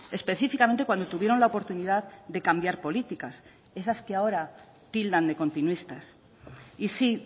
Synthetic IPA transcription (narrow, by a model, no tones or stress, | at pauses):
e̞spe̞θifikame̞nt̪e̞kwand̪o̞t̪uβjeɾo̞nlaopo̞ɾt̪uniðaððe̞kambjaɾpo̞lit̪ikas | e̞saskeao̞ɾa | t̪ild̪and̪e̞ko̞nt̪inwist̪as | isi